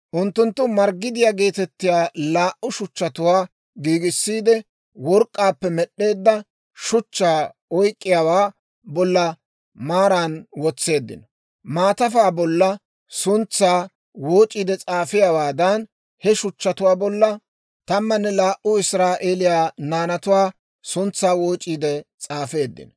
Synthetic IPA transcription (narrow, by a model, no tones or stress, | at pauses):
ʔʊnt̪ːʊnt̪ːʊmɐɾɡɪd̪ɪjaːɡe̞ːt̪ɛt̪ːɪjaːlaːʔʊʃʊt͡ʃːɐt̪ʊwaː | ɡiːɡɪsːiːd̪ɛ | wɔɾkʼːaːpːɛmɛɗːe̞ːd̪ːɐ | ʃʊt͡ʃːaː | ɔjkʼːɪjawaː | bɔlːɐ | maːɾaːnwɔt͡sːe̞ːd̪ːɪ̰nɔ | maːt̪ɐfaːbɔlːɐ | sʊnt͡sːaː | woːt͡ʃʼːiːd̪ɛt͡sʼaːfɪjawaːd̪ɐn | hɛʃʊt͡ʃːɐt̪ʊwaːbɔlːɐ | t̪ɐmːɐnːɛlaːʔʊɪsɾaːʔeːlɪjaːnaːnɐt̪ʊwaː | sʊnt͡sːaːwoːt͡ʃʼːiːd̪ɛt͡sʼaːfe̞ːd̪ːɪ̰nɔ